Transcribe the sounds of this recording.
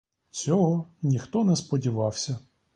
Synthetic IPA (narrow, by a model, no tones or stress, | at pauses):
t͡sʲɔɦɔnʲixt̪ɔnɛspɔdʲiʋɑwsʲɐ